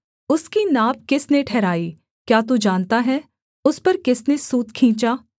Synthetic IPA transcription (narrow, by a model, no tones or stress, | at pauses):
ʊskinaːb̚kɪsneʈʰɛːɾaːiː | kjaːt̪̬od͡ʒaːnt̪aɦɛː | ʊspɐɾkɪsnesuːt̪kʰĩːt͡ʃaː